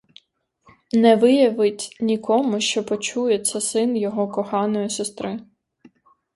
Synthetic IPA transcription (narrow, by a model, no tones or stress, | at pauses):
nɛʋɪjɐʋɪtʲnʲikɔmʊʃt͡ʃɔpɔt͡ʃujɛt͡ssʲɐsɪnjɔɦɔkɔxɑnɔjisest̪ɾɪ